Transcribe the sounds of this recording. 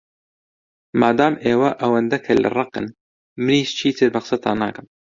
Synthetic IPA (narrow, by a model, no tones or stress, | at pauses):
maːd̪aːmʔeːwɐʔɐwɐnd̪ɐkʰɐlɨ̰rˤɑqɨ̰n | mɨniːʃt͡ʃʰiːt̪ʰɨɾbɐqsɐt̪ɑ̰ːna̰ːkɨm